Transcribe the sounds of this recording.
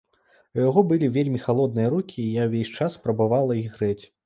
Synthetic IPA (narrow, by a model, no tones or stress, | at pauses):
ujaɣɔbɨlʲivʲelʲmʲixalˠɔd̪nɨjɐɾukʲiːjawvʲesʲt͡ʂasːpɾɐbavalˠɐiɣɣɾɛt͡sʲ